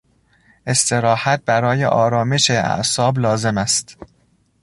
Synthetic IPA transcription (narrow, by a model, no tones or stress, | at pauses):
ʔe̞st̪e̞ɾɒːhæt̪̚bæɾɒːje̞̰ʔɒːɾɒːme̞ʃeæ̰ʔsɒːblɒːze̞mæst̪